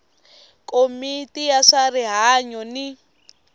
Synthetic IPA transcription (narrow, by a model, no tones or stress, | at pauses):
kʼomitʼijaʂariɦaɲɔni